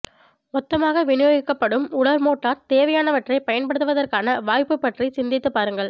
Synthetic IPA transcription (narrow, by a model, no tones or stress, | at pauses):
ɔt̪ːɐmaːɣɐʋɪnɯjɐɣɪkːɐpːɐɽɯmʊɽɐɾmoːʈːaːɾt̪eːʋɐjaːnɐʋɐʈrɐɪpɐjɐnpɐɽɯt̪ːɯʋɐðɐrkaːnɐʋaːjpɯpːɐʈrisɪnd̪ɪt̪ːɯpːaːɾɯŋɡɐɭ